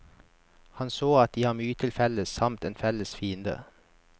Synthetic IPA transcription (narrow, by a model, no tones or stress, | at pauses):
hɑnsoːɑt̪̚d̪iːhɑːmyːət̪ʰɪlfɛləsɑmt̪eːnfɛləsfiːənd̪ə̰